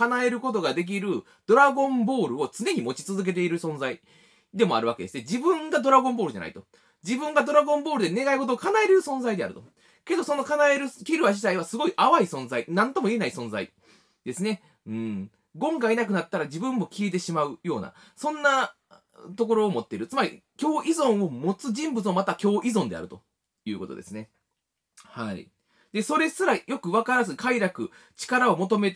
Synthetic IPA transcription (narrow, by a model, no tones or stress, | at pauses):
kanae̞ɾɯ̟ko̞t̪o̞ɡad̪e̞k̬ʲiɾɯ̟ | d̪̥o̞ɾaɡõ̞mbo̞ːɾɯ̟o̞t͡sɨne̞ɲ̟imo̞t͡ɕi̥t͡sɨzɨk̬e̞t̪̬e̞iɾɯ̟sõ̞nd͡zai | d̪e̞mo̞a̰ɾɯ̟βake̞d̪e̞sɨned͡ʑibɯ̟̃ŋɡad̪o̞ɾaɡõ̞mbo̞ːɾɯ̟da̰na̰i̥̰t̪o̞ | d͡ʑibɯ̃ŋɡad̪o̞ɾaɡõ̞mbo̞ːɾɯd̪e̞ne̞ɡaiko̞t̪oːkanaeɾɯɾɯ̟sõ̞ñzaid̪e̞a̰ɾɯ̟t̪o | ke̞d̪o̞so̞no̞kanae̞ɾɯ̟kʲiɾɯ̟βaʑit̪aiβasɨɡo̞iʔaβaisõnzainãnt̪o̞moie̞naisõ̞nza̰i | d̪̥e̞sɨne̞ | ɯ̟̃ɴ | ɡõ̞ŋɡaenak̬ɯ̟nat̪ːaɾad͡ʑibɯ̟̃mːo̞kʲiet̪e̞ɕimaɯ̟jo̞ːna̰ | sõ̞nːa | t̪o̞k̬o̞ɾo̞ːmo̞t̪ːe̞ɾɯ̟t͡sɨmaɾʲḭkʲo̞ːʔizõ̞ɰ̃o̞mo̞t͡sɨʑĩmbɯt͡sɨomat̪akʲo̞ːʔizõ̞nd̪e̞̰a̰ɾɯ̟t̪o̞̰ | jɯ̟ːko̞t̪od̪e̞sɨne̞ | haḭ | d̪̥e̞so̞ɾe̞sɨɾajo̞kɯ̟βakaɾazɨkaiɾakɯ̟ | t͡ɕi̥kaɾao̞mo̞t̪o̞me̞t̪